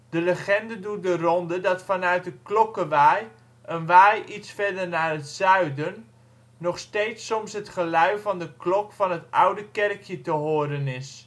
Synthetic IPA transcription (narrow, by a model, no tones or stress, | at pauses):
d̥ələχɛndədut̚dərɔndədɑtfɑnœɥt̚dəklɔkəʋaj | ʔənʋaːjʔitsfɛdərnaːrətsœɥdənː | ɔχsteːtsɔmsɦətχəlœɥvɑndəklɔkfɑnɦətʔawdəkɛrkʰjətəɦoːərənɪs